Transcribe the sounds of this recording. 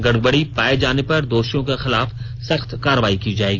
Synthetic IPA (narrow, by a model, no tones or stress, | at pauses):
ɡɐɽ̚bəɽipaːed͡ʒaːnepɐɾd̪oːʃjõkexɪlaːf | sɐxt̪kaːɾəʋaːikid͡ʒaːeːɡiː